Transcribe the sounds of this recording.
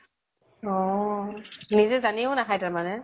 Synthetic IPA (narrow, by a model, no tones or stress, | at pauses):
ɔ | nizɛzaniʊnakʰajtaɹmanɛ